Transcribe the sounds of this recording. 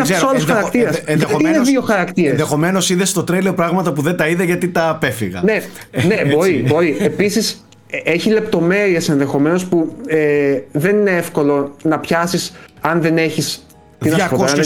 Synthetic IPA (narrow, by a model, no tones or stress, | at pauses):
fseoɾsoɐlosɐɾɐkt̪iɾɐsenðeoineðio̞xɐɾɐkt̪iɾeðexo̞me̞nosiðest̪ot̪ɾejliopɾɐɣmɐt̪ɐpuðe̞nt̪ɐiðɐʝɐt̪it̪ɐpefḭɣɐ̰ne̞ | nebo̞ɾibo̞ɾiepisis | eçile̞pt̪o̞me̞ɾie̞se̞nðe̞xo̞me̞no̞spueðe̞nineefko̞lo̞nɐpçɐsisɐnðe̞ne̞çis | t̪inɐsɐoo